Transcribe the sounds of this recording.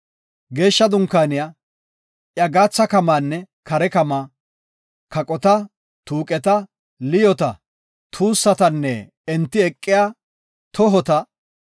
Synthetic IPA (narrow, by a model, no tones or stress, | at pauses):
ɡe̞ːʃːɐd̪ʊŋkːaːnɪjaː | ʔjɐɡaːt͡sːɐkɐmaːnːɛ | kɐɾɛkɐmaː | kɐkʼɔt̪ɐ | t̪uːkʼɛt̪ɐ | lɪjɔt̪ɐ | t̪ʰuːsːɐt̪ɐnːɛ | ɛnt̪ːɪɛkʼːɪjaː | t̪ʰɔɦɔt̪ɐ